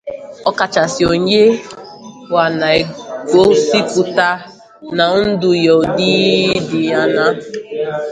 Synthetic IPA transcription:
ɔ˦ka˨t͡ʃa˨sɪ˨o˨ɲ˦e˦ | wa˨na˨e˨ko˦si˦pʊ˨ta˦ | na˨n̩˦dʊ˨jɔ˨di˦dɪ˨ja˦na˦

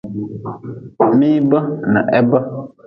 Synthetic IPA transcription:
mĩ˦bə˦nə̰̃˨ʔɛ˦bə˦

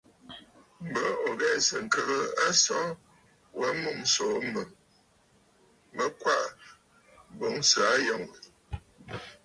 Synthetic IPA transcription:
m̩˨bə˦o˨ɣɛ˦˨sə˨ŋ̩˨kə˦ɣə˦a˦sɔ̃˦ | wə˦mu˦˨m̩so˨˦mə˨ | mə˦kwa˦˨ʔ | bo˨˦ŋsa˨˦jɔ˨ŋ˨

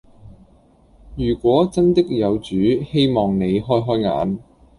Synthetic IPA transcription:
jyː˨˩kʷɔː˨˥t͡sɐ˥nt̪ɪ˥k̚jɐ˨˧wt͡ʃyː˨˥he˥jmɔː˨ŋne˨˧jɦɔː˥jɦɔː˥jŋa̰ː˨˥n

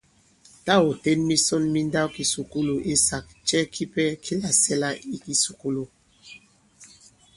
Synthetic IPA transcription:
ta˦˨o˨te˦nmi˦sɔ˦nmi˦n˦da˦wki˦su˨ku˦lo˨ʔe˦sa˨k̚t͡ʃɛ˦kʰi˦pɛ˦kʰi˦la˨sɛ˦la˦i˦ki˦su˨ku˦lo˨

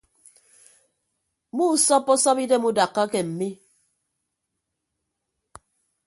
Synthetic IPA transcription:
mu˦sɔ˦pːɔ˦sɔ˦pi˦de˦mu˦da˨kːa˦kɛ˨m̩˨mi˦

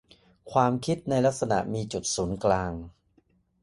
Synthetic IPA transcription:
kʰwaː˧mkʰi˦˥t̪̚na˧jla˦˥k̚sa˧na̰˨˩ʔmiː˧t͡ɕu˨˩t̪̚suː˩˦nklaː˧ŋ

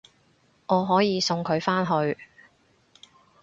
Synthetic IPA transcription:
ŋɔː˨˧ɦɔː˨˥jiː˨˧sʊ˧ŋkʰɵ˨˧ɥfaː˥nɦɵ˧ɥ

